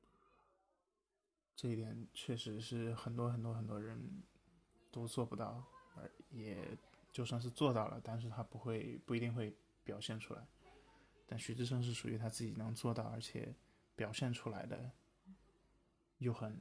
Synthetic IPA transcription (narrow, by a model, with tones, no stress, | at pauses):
ʈ͡ʂɤ˥˧i˥˩jɛ˨˩nt͡ɕʰɥɛ˥˩ʂɻ̩˧˥ʂɻ̩˥˧xə˨˩nt̪wɔ˥xə˨˩nt̪wɔ˥xə˨˩nt̪wɔ˥ɻə˧˥n | t̪o˥ʊt͡swɔ˥˩pu˧˥t̪ɑ˥˩ʊə˧˥jɛ˨˩t͡ɕjo˥˧ʊʂwŋʂ̬ɻ̩˥˧t͡swɔ˥˧t̪ɑ˥˩ʊlə̰˩t̪a˥˧nʂ̬ɻ̩˥˩t̪ʰa˥pu˧˥xwe˥˧ɪpu˥˩i˥t̪i˥˧ŋxwe˥˩ɪ | pjɑ˨˩ʊɕjɛ˥˩nʈ͡ʂʰu˥la̰˧˥ɪ | t̪a˥˩nɕy˧˥ʈ͡ʂɻ̩˥˧ʂ̬ɤ˥˧ŋʂ̬ɻ̩˥˩ʂu˨˩ʔy̰˧˥t̪ʰa˥t͡sɹ̩˥˩t͡ɕi˨˩nɤ˧˥ŋt͡swɔ˥˧t̪ɑ˥˩ʊə˞˧˥t͡ɕʰjɛ̰˨˩˦ | pjɑ˨˩ʊɕjɛ˥˩nʈ͡ʂʰu˥la˧˥ɪd̪ə̰˧ | jo˥˩ʊxə˨˩n